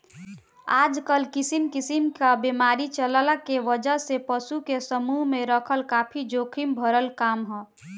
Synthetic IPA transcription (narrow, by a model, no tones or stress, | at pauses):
aːd͡ʒkəlkisimkisimkabemaːɾit͡ʃəllakeʋəd͡ʒəɦsepəsukesəmuɦmeɾəkʰəlkaːpʰid͡ʒokʰimbʱəɾəlkaːmɦɛ̃ː